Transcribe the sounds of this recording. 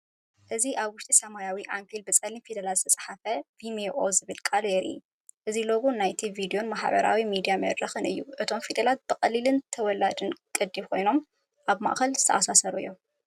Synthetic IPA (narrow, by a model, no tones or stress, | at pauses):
ʔɨziʔaβwʊʃt̪ʼisɐmajawiʔaŋkʰilbɨt͡sʼɐlinfid̪ɐlat̪zɨ̥t̪ʰɐsʼħafɐvimeʔozɨβɨlkʼaljeɾɨ̰jːu | ʔɨziloɡunajt̪ʰivid̪ijo̞nmaħβɐ̰ɾa̰wimid̪ijamɐd̪ɾɐxɨnɨjːuʔɨt̪ʰo̞mfid̪ɐlat̪̚b̥ɨkʼɐlilɨnt̪ʰɐwɔlad̪ɨnkʼɨd̪iβkʰo̞jno̞m | ʔaβma̰ʔxɐlzɨt̪ʰɐ̰ʔasasɐɾujːo